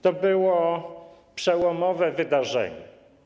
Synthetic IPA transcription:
t̪ɔbɘwɔ | pʂɛwɔmɔvɛvɘd̪aʐɛ̰ɲɛ

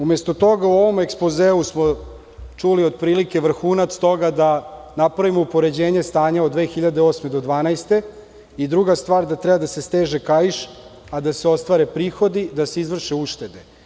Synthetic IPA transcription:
umest̪ot̪o̞ɡauo̞ʋo̞mekspozeːusmo | t͡ʃuliod̪̚pɾiːlike̞ʋr̩xuːnat̪st̪o̞ɡad̪a | napɾaʋimoupo̞ɾe̞d͡ʑe̞ːɲe̞st̪aːɲaod̪d̪ːʋe̞ːxiʎad̪eosme̞d̪o̞d̪ʋaːnajst̪e̞ | id̪ɾuɡast̪ʋaːɾd̪at̪ɾɛbad̪asest̪eːʒekajiʃ | ad̪ase̞o̞st̪ʋaɾe̞pɾiːxo̞d̪id̪ase̞izʋr̩ʃeuʃt̪e̞d̪e

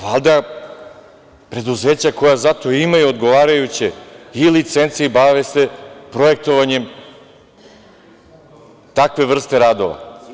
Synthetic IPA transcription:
alˠd̪a | pɾe̞d̪uze̞ːt͡ɕako̞jazat̪o̞imajuod̪ɡo̞ʋaːɾajut͡ɕeilit̪se̞nt̪siibaʋesepɾoje̞k̚t̪o̞ʋaɲe̞m | t̪akʋe̞ʋr̩st̪e̞ɾaːd̪o̞̰ʋa̰

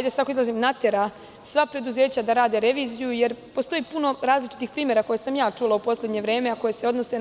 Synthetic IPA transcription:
jd̪ese̥t̪akoizlˠazimnat̪eɾa | sʋapɾe̞d̪uzeːt͡ɕad̪aɾaːd̪eɾe̞ʋiːzijuje̞ɾpo̞st̪o̞jiːpuno̞ɾaːzlit͡ʃi̥t̪ixpɾiːmjeɾako̞jesamjaːt͡ʂuːlˠaupo̞slʲe̞d̪ɲe̞ʋɾe̞ːme̞ako̞je̞se̞o̞d̪no̞se

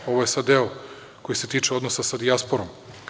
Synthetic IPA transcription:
o̞ʋojesad̪d̪eo | ko̞jise̞t̪iːt͡ʃeo̞d̪nosasad̪iaspoɾom

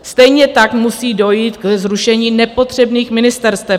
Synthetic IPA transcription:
sst̪ɛjɲɛt̪akmusiːdo̞jiːt̪kzɾuʃɛɲiːnɛpo̞t̪r̝̥ɛbniːxmɪnɪst̪ɛɾst̪vɛp

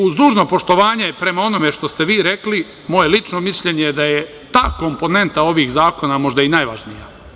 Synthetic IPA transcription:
uzd̪uːʒno̞po̞ʃt̪oʋaːɲe̞pɾe̞mao̞no̞me̞ʃt̪o̞st̪e̞ʋiːɾe̞kli | mo̞je̞lit͡ʃno̞misʎe̞ɲeed̪aje | t̪aːko̞mpo̞ne̞nt̪ao̞ʋiːxzaːko̞namo̞ʒd̪ainajʋaʒnija̰

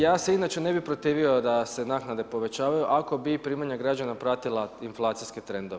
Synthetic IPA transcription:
jaːseinat͡ʃe̞ne̞bipɾo̞t̪iːʋio̞d̪asenaknad̪e̞po̞ʋe̞t͡ʃaːʋajuʔako̞bipɾiːmaɲaɡɾad͡ʒanapɾat̪ilˠainflˠaːt̪sisket̪ɾe̞nd̪oʋe

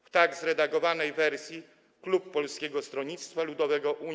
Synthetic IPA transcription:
ft̪aɡzɾɛd̪aɡɔvanɛjvɛɾsʲji | klupːɔlskʲɛɡɔst̪ɾɔɲit̪st̪falud̪ɔvɛɡɔʔu

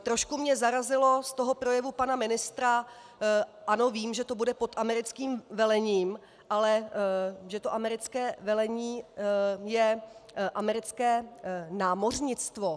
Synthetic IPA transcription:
t̪ɾo̞ʃkumɲɛzaɾazɪlo̞st̪o̞ɦo̞pɾo̞jɛvupanamɪnɪst̪ɾa | ʔano̞viːmʒɛt̪o̞budɛpot̪ʔamɛɾɪt͡skiːmvɛlɛɲiːm | ʔalɛ | ʒɛt̪o̞ʔamɛɾɪt͡skɛːvɛlɛɲiː | jɛʔamɛɾɪt͡skɛːnaːmorɲɪt͡st̪vo

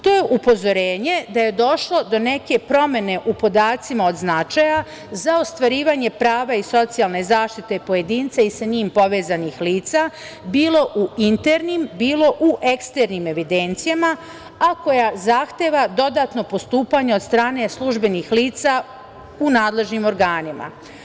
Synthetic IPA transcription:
t̪ojeʔupo̞zo̞ɾeːɲe̞d̪aje̞d̪o̞ʃlˠo̞d̪o̞ne̞ke̞pɾo̞me̞ne̞ʔupo̞d̪aːt̪simao̞d̪znat͡ʃaja | zao̞st̪ʋaɾiːʋaɲe̞pɾaːʋaiso̞t̪sijalˠne̞zaːʃt̪it̪e̞po̞je̞d̪iːnt̪saisaɲiːmpo̞ʋeːzanixliːt̪sa | biːlˠo̞ʔuint̪eɾnimbiːlo̞ʔuʔe̞kst̪e̞ɾnime̞ʋid̪e̞nt̪sijama | ako̞jazaxt̪e̞ʋad̪o̞d̪aːt̪no̞po̞st̪uːpaɲeo̞d̪st̪ɾaːne̞slˠuʒbe̞nixliːt̪sa | unaːd̪le̞ʒnimo̞ɾɡaːnima̰

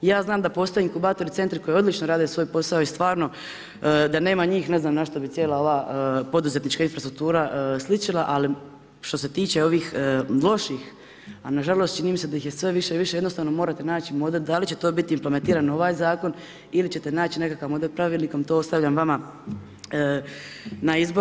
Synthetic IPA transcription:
jaːznaːmd̪apo̞ːst̪oeiŋkubaːt̪o̞ɾit̪se̞nt̪ɾiko̞jeod̪lit͡ʃnoɾaːd̪esʋo̞ːjpo̞saoist̪ʋaːɾno̞ | d̪ane̞ːmaɲiːxne̞znaːmnaʃt̪o̞bit̪ʲje̞ːlˠao̞ʋaːpo̞d̪uze̞t̪nit͡ʃkainfɾast̪ɾuk̚t̪uːɾaʔslit͡ʃilˠaʔali | ʃt̪o̞se̞t̪iːt͡ɕe̞o̞ʋiːxlˠo̞ʃix | anaʒalˠo̞st̪t͡ʃiniːmse̞d̪ajixje̞sʋe̞ʋiʃeʋiʃejed̪nost̪aːʋno̞moːɾat̪e̞naːt͡ɕimo̞d̪eld̪alit͡ɕe̞t̪oːbit̪iːmpleme̞nt̪iːɾano̞ʋaːjzaːko̞n | ilit͡ɕe̞t̪e̞naːt͡ɕine̞kakaʋmo̞d̪elʲpɾaʋiːlniko̞mt̪oːost̪aʋʎʲamʋama | ə | naizbo

